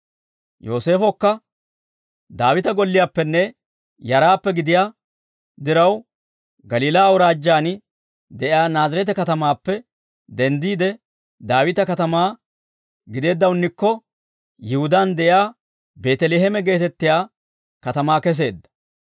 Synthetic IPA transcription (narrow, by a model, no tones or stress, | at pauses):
jo̞ːse̞ːfɔkːɐ | d̪aːwɪt̪ɐɡɔlːɪjaːpːɛnːɛ | jɐɾaːpːɛɡɪd̪ɪjaː | d̪ɪɾɐw | ɡɐliːlaːwʊɾaːd͡ʒːaːnɪ | d̪ɛʔɪaːnaːzɐɾɛt̪ɛkɐt̪ɐmaːpːɛ | d̪ɛnd̪iːd̪ɛ | d̪aːwɪt̪ɐkɐt̪ɐmaː | ɡɪd̪e̞ːd̪ːɐwʊnːɪkːɔ | jɪhʊd̪aːnd̪ɛʔɪaː | be̞ːt̪ɛleːɦɛmɛɡe̞ːt̪ɛt̪ːɪjaː | kɐt̪ɐmaːkɛs̬e̞ːd̪ːɐ̥